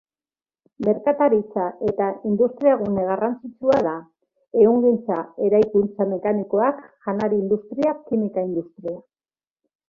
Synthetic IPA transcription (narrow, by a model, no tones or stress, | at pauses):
me̞ɾkat̪aɾit͡saʔe̞t̪aind̪ust̪ɾiaɣune̞ɣ̞arant͡sit͡suaða | e̞uŋɡint͡sae̞ɾajkunt͡same̞kaniko̞akʝanaɾiːnd̪ust̪ɾiakːimikaind̪ust̪ɾia